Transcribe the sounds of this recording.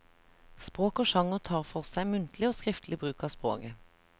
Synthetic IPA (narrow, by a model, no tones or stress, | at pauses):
spʁoːkoːʃɑŋəʁt̪ʰɑːʁfɔʁsæɪmʉnt̪lɪoːskʁɪft̪ʰlɪbʁʉːkɑːspʁo̰ːkə